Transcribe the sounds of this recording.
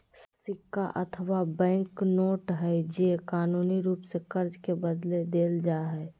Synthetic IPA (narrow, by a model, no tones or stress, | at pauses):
sɪkːaʔət̪ʰəwabɛ̃ːŋknoːʈɦɛd͡ʒekaːnuːniɾuːpsekəɾd͡ʒkebəd̪led̪eːld͡ʒaɦɛː